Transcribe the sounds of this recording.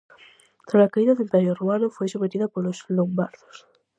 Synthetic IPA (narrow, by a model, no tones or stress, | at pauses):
t̪ɾasakaiðaðelt̪ajoruanofojsumet̪iðɐpoloslombaɾðo̥s